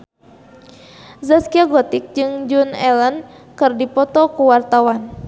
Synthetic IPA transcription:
zaskiaɡɔt̪ik̚d͡ʒɨŋd͡ʒunɛlən | kɨrdipɔt̪ɔkuwart̪awan

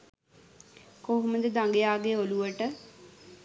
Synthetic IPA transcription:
koɦoməd̪əd̪aŋɡejaːɡeoluʋəʈə

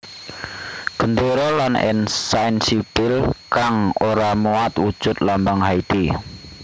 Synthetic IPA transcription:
ɡ̥ənd̪oɾɔlanɪ̰nsainsipɪlkaŋoɾamuat̪wud̥ʒ̥ʊt̪̚lambaŋhait̪i

